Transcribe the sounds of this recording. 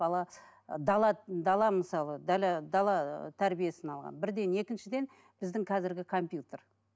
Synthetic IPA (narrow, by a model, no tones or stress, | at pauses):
bɑlˠɑ | d̪ɑlˠɑd̪ɑlˠɑmɪsɑlˠəd̪ɑlɑd̪ɑlˠɑt̪ʰæɾbije̞sɪnɑlˠʁɑ̰nbɪɾd̪e̞ne̞kʲɪnʃɪd̪e̞n | b̥ɪzd̪ɪŋkʲʰɑzɪɾɡʲɪkʰo̞mpjut̪er